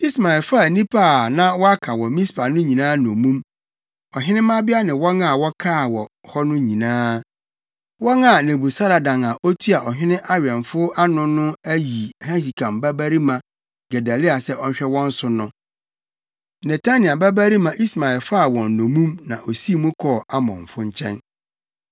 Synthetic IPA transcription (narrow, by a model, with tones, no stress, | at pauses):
i˦sma˨ɛ˨lfa˦˨nĩ˦pʰa˦˨nã˦wɔ˦a˦kʰa˨wɔ˨mĩ˦spʰa˨nʊ̃˦ɲĩ˨nãː˦nɔ̃˨mũ˦m | ɔ˨ɦɪ̃˦nɪ̃˦mã˦bɪ˦a˦nɪ̃˨wɔ˦ŋa˨wɔ˦kʰaː˦˨wɔ˨hɔ˦nʊ̃˦ɲĩ˨nãː˦ | wɔ˦ŋa˨nɪ̃˨bu˨sa˦ɾa˨dã˨ŋa˨ʔɔ˦tʰu˦a˨ʔɔ˨ɦᶣɪ˦nɪ̃˦ʔa˦ɥɛ̃˨nfʊ˦ʔa˦nʊ̃˦nʊ̃˦æ˦ji˨hã˦ɕi˨kʰã˨mbæ˦bæ˦ɾi˦mã˨ | ɡ̥ɛ˨da˨lɪ˦a˨sɛ˦ʔɔ˦ɲ˦ɕᶣɛ˦wɔ̃˦n̩˦sʊ˨nʊ̃˦ | nɛ˨tʰa˦nɪ̃˨a˨ba˦bæ˦ɾi˦mã˨ʔi˦sma˨ɛ˨lfa˦˨wɔ̃˨n̩˨nõ˨mũ˦mnã˨ʔo˨si˦˨mũ˦kʰɔː˦˨a˦mɔ̰̃˨ɱ̩˨fʊ˦ɲ̩˦t͡ɕʰɛ̰̃˦n